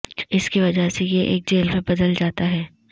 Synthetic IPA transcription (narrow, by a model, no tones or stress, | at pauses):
ɪskiʋɐd͡ʒəɦsejeʔḛːk̚d͡ʒeːlmẽbɐd̪əld͡ʒaːt̪aɦɛː